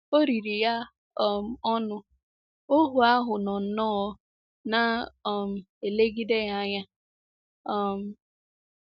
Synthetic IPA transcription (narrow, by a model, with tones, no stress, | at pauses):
o˦ɾi˨ɾi˨ja˦ | ɔ˦m̩˨ɔ˦nʊ˦ | o˦ɦu˨a˦ɦʊ˨nɔ˨n̩˨nɔ˦ | na˨ɔ˨m̩˨ | e˨le˦ɡi˦de˦ja˦ɲa˦ | ɔ˦m̩˨